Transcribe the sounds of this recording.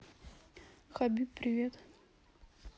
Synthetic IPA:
xabʲippɾʲɪvʲet̪

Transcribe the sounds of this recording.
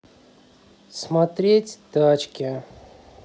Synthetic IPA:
smat̪ɾʲetʲt̪at͡ɕkʲɪ

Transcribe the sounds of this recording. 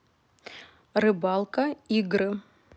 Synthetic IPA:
rɨbalˠkʼɐiɡɾɨ

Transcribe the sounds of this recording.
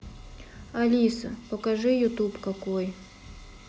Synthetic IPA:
ɐlʲisə̰pəkɐʐɨjʊt̪upkɐkoj

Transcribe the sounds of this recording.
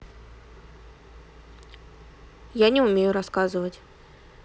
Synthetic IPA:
janʲɛʊmʲejʊɾaskazɨvətʲ

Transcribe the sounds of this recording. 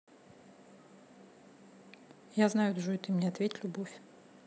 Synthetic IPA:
jaznajʊt̪ʐɨjt̪ɨmʲnʲeɐt̪vʲetʲlʲʊbofʲ

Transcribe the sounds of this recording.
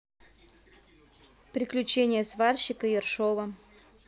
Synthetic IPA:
pɾʲɪklʲʉt͡ɕenʲɪjəsvarɕːɪkəjɪrʂovə

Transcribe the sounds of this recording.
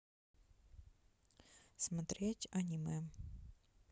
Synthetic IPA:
smɐt̪ɾʲetʲɐnʲimɛ

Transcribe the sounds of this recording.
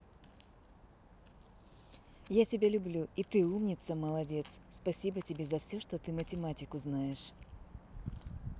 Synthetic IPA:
jatʲɪbʲalʲʊblʲuit̪ɨumnʲɪt̪səməlˠɐdʲe̞t̪sspɐsʲibətʲɪbʲe̞zɐfsʲoʂt̪ot̪ɨmətʲɪmatʲɪkʊznajɪʂ

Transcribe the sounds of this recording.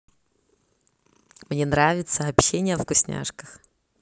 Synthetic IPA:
mnʲenɾavʲɪt̪səɐpɕenʲɪjəvɡʊsʲnʲa̰ʂkəx

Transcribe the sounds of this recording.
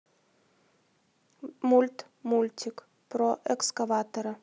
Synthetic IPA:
mulʲt̪ | mulʲt̪ʲɪk | pɾoʔɛkskɐvat̪ɐɾɐ

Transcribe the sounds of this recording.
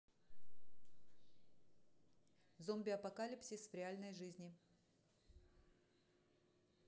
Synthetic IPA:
zomʲbʲɪɐpɐkalʲɪpsʲɪsvɾʲɪalʲnəjʐɨzʲnʲɪ

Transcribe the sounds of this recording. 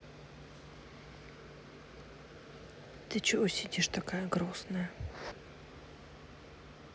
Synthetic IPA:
t̪ɨt͡ɕɪʔosʲɪdʲiʂt̪akajəɡɾosnəjə

